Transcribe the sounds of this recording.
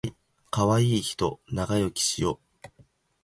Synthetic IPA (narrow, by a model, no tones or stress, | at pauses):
i | kaβaiːçi̥t̪o̞naɡajo̞kʲi̥ɕijo̞ː